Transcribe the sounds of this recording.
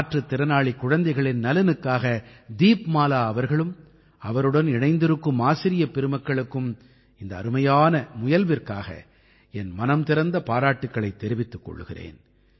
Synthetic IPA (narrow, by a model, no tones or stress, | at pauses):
aːʈrɯt̪ːɪɾɐnaːɭikːʊɻɐnd̪ɐɪɣɐɭɪnːɐlɐnɯkːaːɣɐd̪iːpmaːlaːɐʋɐɾɣɐɭɯm | ɐʋɐɾɯɽɐnɪɳɐɪnd̪ɪɾɯkːɯmaːsɪɾɪjɐpɛɾɯmɐkːɐɭɯkːɯm | ɪnd̪ɐ̰ːɾɯmɐjaːnɐmʊjɐlʋɪrkaːɣɐ̰ | ɛnmɐnɐmt̪ɪɾɐnd̪ɐpaːɾaːʈːɯkːɐɭɐɪt̪ːɛɾɪʋɪt̪ːɯkːɔ̰ɭːɯɣɪrḛːn